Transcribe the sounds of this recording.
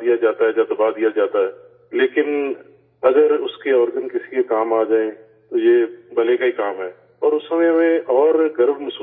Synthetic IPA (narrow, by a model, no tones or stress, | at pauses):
d̪ijad͡ʒaːt̪aɦɛːd͡ʒaːd̪ɐbad̪ijad͡ʒaːt̪aɦɛː | leːkɪn | ɐɡəɾʊskeɔːɾɡənkɪsi̥kekaːmaːd͡ʒaːẽ | t̪ojeːbɐlekaɦikaːmɦɛː | ɔːɾʊsɦɐmẽɦɐmẽʔɔːɾɡɐɾbmɐsuː